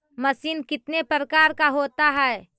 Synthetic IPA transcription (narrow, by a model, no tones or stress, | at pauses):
mɐsiːnkɪt̪nepɾəkaːɾkaɦoːt̪aɦɛː